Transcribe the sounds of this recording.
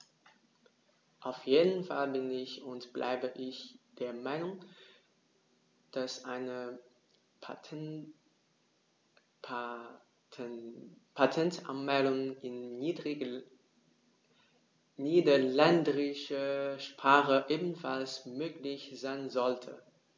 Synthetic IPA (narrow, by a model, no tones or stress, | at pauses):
ʔaʊfjeːdn̩falbɪnɪçʊntb̥lʔa̰ɪbəʔɪçd̥eːɐmaɪnʊŋ | d̥asʔaɪnə | pʰatʰɛntʔa̰nmɛɪdʊŋɪnːiːdʁɪ | niːdɐlɛndəʁɪʃəʃpʁ̥aːχəʔeːbn̩falsmøːklɪçz̥aɪnzɔltʰə̰